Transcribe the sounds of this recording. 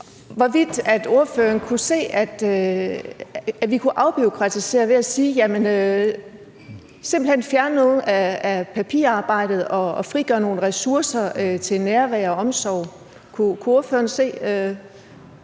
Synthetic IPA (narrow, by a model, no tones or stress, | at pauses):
ʋɒʋid̥æd̥o̝ɐfø̰ːɐn̩kʰuse̝̰ːæd̥ | æʋikʰuʔɑ̈ʊb̥io̝kʰʁɑ̈t͡sʰise̝̰ːɐʋe̝æsiːjæmenø | se̝mb̥l̩henfjæɐnənɔ̽ːð̩ˠææpʰæpʰḭɐɑ̈ːb̥ɑ̈ɪ̰d̥ð̞̩ˠɒ̽ːfʁiɡ̥ɶɐno̝ːn̩ʁɛsuɐsɐøt͡sʰe̝lnæɐʋæɐɒ̽ɒ̽msɒʊ̰ | kʰukʰuo̝ɐfø̰ːɐn̩se̝̰ːø